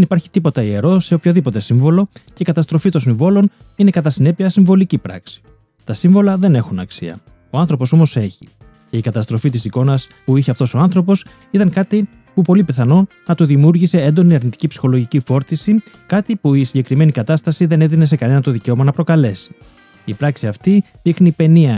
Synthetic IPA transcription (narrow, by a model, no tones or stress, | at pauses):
enipɐɾçi̥t̪ipo̞t̪ɐie̞ɾo̞se̞o̞pçoðipo̞t̪e̞siɱvo̞lo̞ce̞ikɐt̪ɐst̪ɾo̞fit̪onsiɱvo̞lo̞n | ine̞kɐt̪ɐsine̞piɐsiɱvo̞licipɾɐ̰ksi̥ | t̪ɐsiɱvo̞lɐðe̞ne̞xunɐ̰ksiɐ̰ | o̞ɐnθɾo̞po̞so̞mose̞çi | ce̞ikɐt̪ɐst̪ɾo̞fit̪̬isiko̞nɐspuiçeɐft̪o̞so̞ɐnθɾo̞p̬o̞s | it̪ɐŋkɐt̪i | pupo̞lipeθɐno̞ | nɐt̪uðimuɾʝise̞e̞nd̪o̞niɐɾnit̪i̥cipsi̥xo̞lo̞ʝicifo̞ɾt̪isi | kɐt̪ipuisiɲɟe̞kɾime̞nikɐt̪ɐst̪ɐsiðe̞ne̞ðine̞s̬e̞kɐne̞nɐt̪o̞ðice̞omɐnɐpɾo̞kɐle̞si̥ | ipɾɐksiɐft̪i | ðixnipe̞niɐ